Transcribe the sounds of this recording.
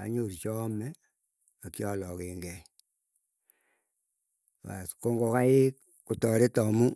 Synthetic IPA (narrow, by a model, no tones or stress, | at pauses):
a̰ɲoɾt͡ʃɔmɛ | akjɔlɔkeŋɡɛ | a̰skoŋɡokaek | kutɔɾetɔmu